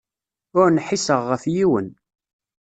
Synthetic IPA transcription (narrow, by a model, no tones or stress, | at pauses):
ʊɾnħisəʁːəfjiwən